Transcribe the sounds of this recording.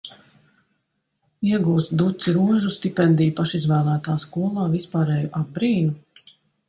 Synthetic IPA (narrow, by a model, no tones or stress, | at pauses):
iɛɡuːst̪̚d̪ut̪siɾuːʒust̪ipɛnd̪ijupaʃizvæːlˠæːt̪aːskuɔlˠɑːvispaːɾɛːjuʔab̚bɾiːnu